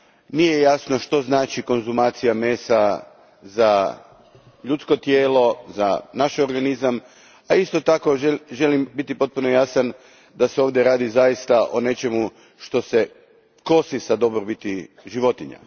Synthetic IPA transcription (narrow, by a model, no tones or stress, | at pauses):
nijejasno̞ʃt̪o̞znaːt͡ʃiko̞nzumaːt̪sijame̞ːsa | za | ʎut̪sko̞t̪je̞ːlo̞zanaʃeoɾɡanizam | aist̪o̞t̪ako̞eʒe̞limbit̪ipo̞t̪̚puno̞jasan | d̪aseo̞ːʋd̪ʲje̞ɾaːd̪izajist̪aʔo̞ne̞t͡ʃe̞mu | ʃt̪o̞se̞ | ko̞sisad̪o̞bɾobit̪i | ʒiʋo̞t̪iɲa̰